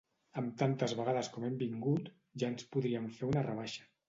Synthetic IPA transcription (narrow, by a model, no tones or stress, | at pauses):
əmt̪ant̪əzβəɣaðəskɔmɛmbiŋɡut̪ | ʒaənspuðɾiəɱfeɾunərəβ̞aʃə̥